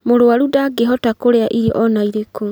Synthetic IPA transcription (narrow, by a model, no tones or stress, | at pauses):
moɾoaɾudaɡeɦɔtakoɾeaʔiɾiʔɔnaiɾeko